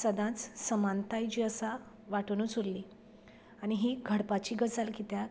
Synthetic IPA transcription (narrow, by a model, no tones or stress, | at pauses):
səd̪ʱãt͡ssəmãnt̪ajt͡ɕiːəsa | ʋaʈunuːt͡suɾlːiː | añiɦiːɡʱəɽpat͡ɕiːɡət͡salkit̪ja